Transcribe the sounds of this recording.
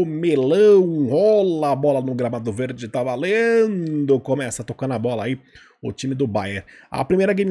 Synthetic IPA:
ʊmelɐ̃w̃hɔlɐːbɔlɐnʊɡɾamad̪ʊveɾd͡ʒɪt̪avalẽnd̪ʊkomɛsɐt̪okɐ̃nd̪ɐbɔlɐai | ʊ̰t͡ʃĩmɪd̪ʊbajeɾɐ̰pɾimejɾɐɡẽjm

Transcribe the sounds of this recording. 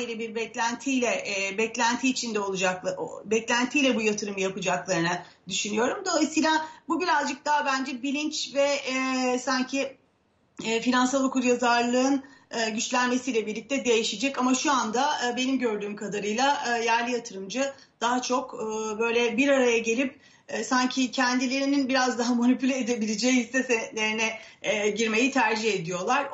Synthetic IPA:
lʲɛbiɾbɛclʲænt̪ʰijlʲɛʔbɛclʲænt̪ʰiːt͡ʃʰind̪ɛo̞lˠud͡ʒak̪ˠbɛclʲænt̪ʰijlʲɛbujat̪ʰɯɾɯmɯjapɯd͡ʒaklˠaɾɯna | d̪yʃynyjo̞ɾumd̪o̞lˠajsijːlʲˠabubiɾazd͡ʒɯk̚d̪aɦbænd͡ʒɛbilʲint͡ʃvɛ | saɲcʰiː | finansalˠokʰuɾjazaɾlˠɯɯnɯɟyt͡ʃlʲænme̞sijlʲɛbiɾlʲic̚t̪ʰɛd̪e̞jiʃid͡ʒɛcamaʃuand̪abe̞nimɟø̞ɾd̪yːmkʰad̪aɾɯjlˠajæɾlʲijat̪ʰɯɾɯmd͡ʒɯ | d̪̥aɦat͡ʃʰo̞kːbø̞jlʲɛbiɾaɾajaɟe̞lʲip̚ː | saɲcʰicʰɛnd̪ilʲe̞ɾininbiɾazd̪aɦamonipylʲɛed̪ebilʲed͡ʒejihisɛsent̪lʲe̞ɾinɛɟiɾme̞jit̪ʰæɾd͡ʒihe̞d̪ijo̞lˠaɾ

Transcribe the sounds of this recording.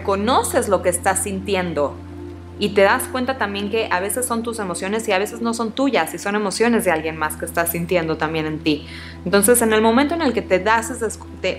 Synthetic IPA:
ko̞no̞se̞zlo̞keːst̪asːint̪je̞nd̪o̞ | it̪e̞ðaskwe̞nt̪at̪ambje̞ŋke̞ʔaβ̞e̞se̞sːo̞nt̪use̞mo̞sjo̞ne̞siaβ̞e̞se̞zno̞so̞nt̪uʝasiso̞ne̞mo̞sjo̞ne̞zðealɣje̞nmaske̞ːst̪asint̪je̞nd̪o̞t̪ambje̞ne̞nt̪i | ent̪o̞ns̬e̞se̞ne̞lmomẽnt̪oene̞lke̞t̪eðasezðes | t̪e

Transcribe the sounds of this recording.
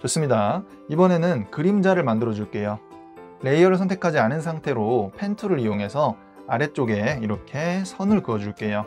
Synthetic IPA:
t͡ɕos͈ɯmɲida | ibʌne̞nɯnkɯɾimd͡ʑaɾɯɭmandɯɾʌd͡ʑuɭk͈e̞jo | le̞iʌɾɯɭsʰʌntʰekʰad͡ʑianɯns̬ʰaŋtʰe̞ɾopʰe̞ntʰuɾɯɾijoŋɦe̞sʰʌ | aɾe̞t͡ɕ͈oɡe̞iɾʌkʰe̞sʰʌnɯɭkɯʌd͡ʑuɭk͈e̞jo

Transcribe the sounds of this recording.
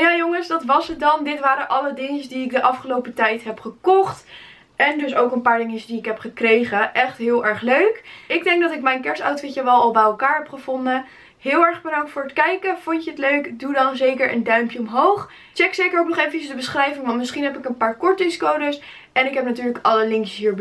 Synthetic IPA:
jaːjoŋəsdɑtʋɑsət̚dɑndɪtʋaːɾəʔɑlədɪŋəsdiɪk̚dəʔɑfχəlowpətɛjtɦɛpχəkɔχt | ʔɛndɵsowkənpaːɹdɪŋəsdiɪkɦɛpχəkrejχəʔɛχtɦɪːlˠʔɛɹχløɥkɪɡ̚dɛŋɡ̚dɑtɪkmɛjnkɛɹsɑwtfɪtəʋɛlˠɑlˠbɛjɛlˠkaːɹɦɛpχəvɔndə | ɦɪːlˠɛɹχbədɑŋtfʊːɹətkɛjkəfʊncəɦətløɥkdudɑnzejkəɹʔə̰ndœɥmpjəɔmɦowχ | t͡ʃɛksejkəɹɔknɔχejfəcəzdəbəsχrɛjvɪŋʋɑntmɪsχinɦɛpɪkənpaːɹkɔɹtɪŋskowdəs | ɛnɪkɦɛp̚natyːɹləkɑləlɪŋkjəsɦiːɹb

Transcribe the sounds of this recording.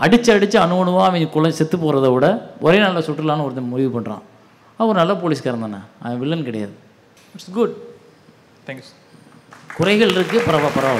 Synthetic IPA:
ɐɽɪt͡ʃːɯɐɽɪt͡ʃːɯɐɳɯʋɐɳɯʋaːɐʋɐɲkʊlɐsɛt̪ːɯpːoːɾɐðɐʋɯɽɐʔɔɾeːnɐlːɐsɔʈːɪlaːnɐɔɾɯnɐmʊɾɪʋɯpɐɳɾã̰ː | ɐɔɾɯnɐlːap̬oːliːs̬kɐɾɐnd̪aːnːɐ̰ɐʋɪɭːɐnkɪɽɐja̰ːðɯ | ɪʈsɡʊɖ̪ | kʊɾɐɪɣɐɭɪɾɯkːɯpɐɾɐʋaːpɐɾɐʋaː

